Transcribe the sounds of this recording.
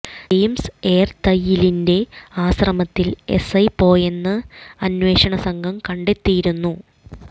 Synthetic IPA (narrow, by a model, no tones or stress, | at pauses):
ejmseːrt̪ɐjːilinde̞aːsrɐmɐt̪ːile̞̰sɐjpo̞ːjenːɨɐnwe̞ːɕɐɳɐsɐŋɡʱɐmkɐɳɖe̞t̪ːijiɾunːu